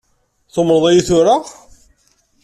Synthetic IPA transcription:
θomɾðˤæjiθʊɾa

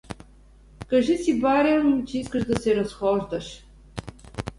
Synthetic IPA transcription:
kɐʒisibaɾɛmt͡ʃɛiskəʒd̪ɐsɛɾɐsxɔʒd̪ɐʃ

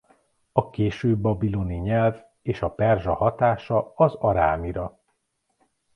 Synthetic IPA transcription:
ɒkeːʃøːbːɒbiloniɲɛlv | eːʃɒpɛrʒɒhɒt̪aːʃɒɒzɒɾa̰ːmiɾɒ

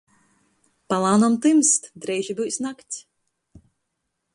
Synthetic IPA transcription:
palˠaːnɔmt̪ɨmst̪d̪ɾɛjʒibɨjsnakt̪sʲ

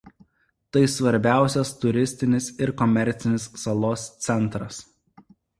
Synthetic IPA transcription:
t̪ɐɪsʋɐɾʲbʲæˑʊsʲɛst̪ʊɾʲɪsʲt̪ʲɪnʲɪsɪɾkɔmʲɛɾʲt̪sʲɪnʲɪsːɐlˠoːst̪sʲɛnˑt̪ɾɐs

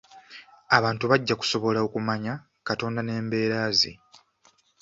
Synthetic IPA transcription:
aβaːntuβaɟːaku̥so̞βo̞laokumaɲa | kato̞ːndane̞ːmbe̞ːɾaːzḭ

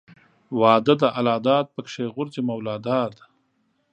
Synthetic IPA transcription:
wɑːd̪əd̪əʔalɑːd̪ɑːd̪̚pəkʂeɣʊɾzemawlɑːd̪ɑːd̪

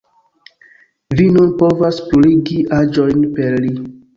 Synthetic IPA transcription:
vinunpo̞vaspluɾiɡiʔad͡ʒo̞jnpeɾli

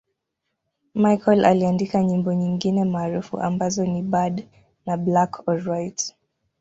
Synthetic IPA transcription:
majkʰɔla̰liandikaɲimbɔɲiŋɡinɛmaːɾufṵʔa̰mbazɔnibad | nablakʰɔɹajt

